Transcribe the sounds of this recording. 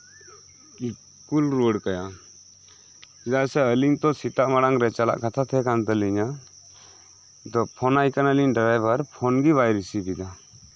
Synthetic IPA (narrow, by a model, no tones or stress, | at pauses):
i | kulɾoɽkaja | d͡ʒasɛəliɲt̪ɔsit̪aʔmaɽaŋɾɛt͡ʃala̰ʔkat̪ʰat̪ʰɛkant̪aliɲa | d̪ɔpʰɔnajkanəliɲɖaɾajbaɾpʰɔnɡibajɾisibid̪a